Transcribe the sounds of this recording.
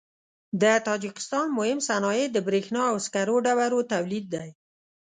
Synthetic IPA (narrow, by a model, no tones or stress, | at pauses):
d̪ət̪ɑd͡ʒɪkɪ̥st̪ɑnmʊhɪmsanɑjed̪əbɾexnɑawskaɾoɖawaɾot̪awlid̪̚ːaj